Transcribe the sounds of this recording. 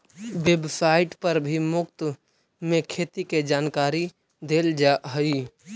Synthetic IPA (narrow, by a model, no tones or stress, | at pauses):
ʋebsaːɪʈpəɾbʱimʊkt̪ | mẽkʰeːt̪iked͡ʒaːnkaːɾi | d̪eːld͡ʒaɦəi